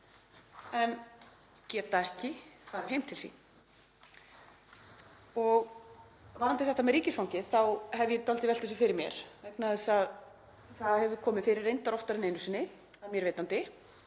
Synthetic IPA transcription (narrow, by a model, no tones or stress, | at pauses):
ɛn | cɛːt̪aɛhcɪθaːðɾɪɾ̥hejmt̪ʰɪlsḭ | ɔɣ | vanant̪ɪθɛht̪amɛðɾiːcɪsfawɲcɪðθawhɛvjɛt̪ɔlt̪ɪvɛlt̪ɛsʏfɪɾɪɾmjɛ̰ɾ̥vɛknaðɛsað | θaðahɛvʏkʰɔːmɪðfɪːɾɪrːejnt̪aɾɔht̪aɾɪnejnʏsɪnːɪ | amjɛɾveːjt̪ant̪ɪ